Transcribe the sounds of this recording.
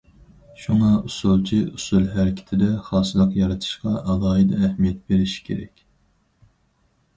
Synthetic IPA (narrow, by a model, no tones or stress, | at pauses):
ʃuŋɑusulˠt͡ʃʰiusulˠɦæɾɪkʲʰɪ̥t̪ʰɪd̪ɛχɑːsɨlˠəqjɑɾɑt̪ʰɨ̥ʃqɑʔɑlˠɑːɨd̪ɛːhmijɛt̪̚beɾɪʃi̥kʲʰeɾɛ̰kʲ